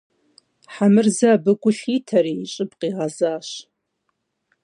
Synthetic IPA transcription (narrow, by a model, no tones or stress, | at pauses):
ħamɨrzabɨkʷʼʊɬitʰɐɾiːɕʼɪbʼqʼiːʁazaːɕ